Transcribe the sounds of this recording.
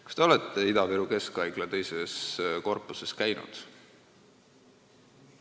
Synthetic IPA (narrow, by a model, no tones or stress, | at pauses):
ku̥st̪e̞o̞let̪ːˑeid̪ɑveɾuke̞skɑjɡ̥lɑt̪e̞jse̞sko̞rpːˑuse̞skæjnṵd̪̥